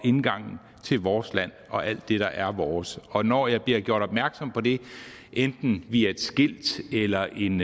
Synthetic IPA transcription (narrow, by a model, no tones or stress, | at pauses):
e̝nɡ̥ɑ̈ŋ̰n̩ | t͡sʰe̝lʋɒːslæn̰ʔɒ̽ʔæl̰d̥ːe̝ɾ̥ɑ̈ʔæɐʋɒːsɒ̽nɒ̰ːjɑ̈ɪb̥liɐ̰ɡ̥jo̝ɐ̰ɾ̥ɒ̽b̥mæɐɡ̥sɒ̽m̰pʰɒ̽de̝ | ʔend̥n̩ʋiæe̝d̥sɡ̥el̰d̥elɐʔe̝n